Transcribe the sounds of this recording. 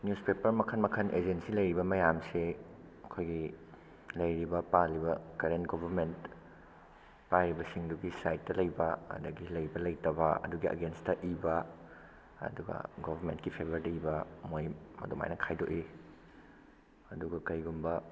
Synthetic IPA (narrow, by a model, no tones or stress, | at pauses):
njuspepɐɾmɐkʰɐnmɐkʰɐnʔed͡ʒensilɐjɾibɐmɐjamseɐkʰojɡi | lɐjɾibɐpalibɐkɐɾentɡobʱɐɾment | pajɾibɐsiŋduɡisajt̚ːɐlɐjbɐɐ̰dɐɡilɐjibɐlɐjtɐβɐɐ̰duɡiʔɐ̰ɡenstɐʔibɐ | ɐ̰duɡɐ̰ɡobʱɐɾmentkipʰebʱɐɾdɐibɐmojmɐ̰doma̰jnɐkʰajdo̰ʔi | ɐduɡɐkɐjɡumbɐ